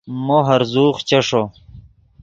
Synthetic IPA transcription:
moɦɐɾzuːχt͡ɕɐʂo

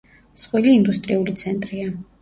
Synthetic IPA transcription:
sχwiliːnd̪ust̪ʼɾiulit̪sʰɛnt̪ʼɾia

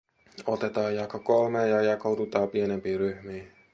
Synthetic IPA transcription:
ot̪et̪ɑːjjɑkokolmeːjɑjɑkot̪ut̪ɑːpienempiːryhmiː

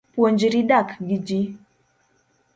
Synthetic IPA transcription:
pwond͡ʒiɾidakɡid͡ʒi

